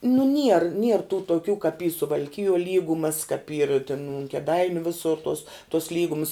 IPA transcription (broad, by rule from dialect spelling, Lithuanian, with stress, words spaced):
nʊ nʲiɛr nʲiɛr tuː toːˈkʲuː kɐp iː sʊʋɐlʲˈkʲɪjuɔ ˈlʲiːɡʊmɐs kɐp iːr tʲɪn ʊn kʲɛˈdɐɪnʲʊ ˈʋʲɪsʊr toːs toːs ˈlʲiːɡʊms